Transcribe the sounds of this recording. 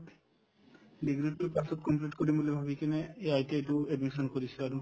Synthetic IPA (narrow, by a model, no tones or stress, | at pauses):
ɖiɡɾiʈupasɔt̚kɔmpliʈkoɾibolebʱabikeneeajteeʈueɖmiʃɔnkoɾit͡ɕʰeaɾu